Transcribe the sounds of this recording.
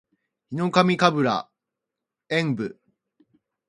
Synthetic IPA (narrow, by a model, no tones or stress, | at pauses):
çino̞kamʲikabɯ̟ɾa̰ | ẽmbɯ